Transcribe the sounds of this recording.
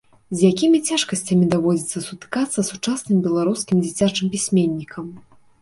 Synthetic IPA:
zʲjakʲimʲit͡sʲaʂkɐsʲt͡sʲɐmʲid̪avɔd͡zʲit̪sːɐsut̪ɨ̥kat̪sːɐsut͡ʂasnɨmbʲɛlˠaɾuskʲimd͡zʲit͡sʲat͡ʂɨmpʲisʲmʲenʲːikʰɐm

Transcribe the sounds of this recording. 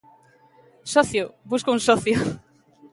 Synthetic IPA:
sɔθjʊbuskouŋsɔθjʊ

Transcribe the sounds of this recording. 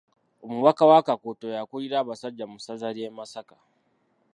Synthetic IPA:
omuwakawakakotojakuiɾaβasaɟamusazaɾiemasakḁ

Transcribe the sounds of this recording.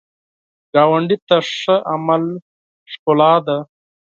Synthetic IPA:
ɡaːwɐɳɖit̪ɐʂɐʔɐmɐl | ʂkolaːd̪ɐ

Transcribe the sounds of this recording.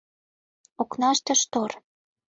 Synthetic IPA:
oknɑʃt̪ɤ̆ʃt̪or

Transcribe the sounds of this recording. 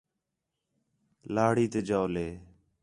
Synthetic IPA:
laːɽiːt̪eːd͡ʒaːoleː

